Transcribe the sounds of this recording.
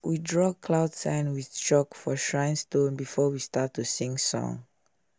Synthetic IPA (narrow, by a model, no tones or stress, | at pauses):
widɹɔkʰlaʊdsɛ̃nwiθt͡ʃɔkfɔʃɹãɪ̃nstõnbifɔwistatːusĩŋsɔ̰̃ŋ